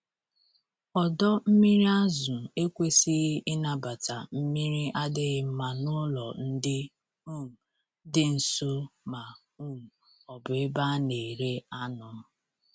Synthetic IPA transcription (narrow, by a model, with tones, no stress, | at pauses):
ɔ˨dɔ˦m̩˦mi˦ɾi˦a˦zʊ˨e˦kʷe˦si˦ɣʔɪ˦na˦ba˨ta˨m̩˦mi˦ɾi˦ʔa˦dɪ˦ɣɪ˦m̩˦ma˨nʊ˦lɔ˨n̩˦dɪ˦ | u˦˨m̩˨ | dɪ˦n̩˨so˦ma˨ | u˦m̩˨ | ɔ˨bʊ˨ɪ˦ba˦ne˨ɾe˦a˦nɔ˨˦